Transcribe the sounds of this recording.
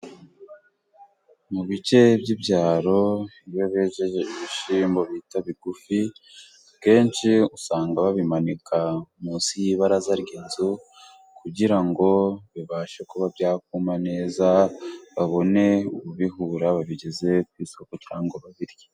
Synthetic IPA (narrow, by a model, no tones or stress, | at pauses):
muβice̞bɟibɟaːɾo̞ | iβo̞βeːʒe̞ʒeiβiʃiːmbo̞βitaβiɡufi | bke̞ːnʃiusaːŋɡaβaβimanikamuːnsijiːβaɾazaɾɟeːnzu | kuɟiɾaŋɡo̞βiβaːʃekoβabjaːk̚umane̞ːzaβaβo̞ne̞uβuβiɦuːɾaβaβiɟe̞ze̞k̚wiːso̞kot͡ʃaːŋɡoβaβiɾje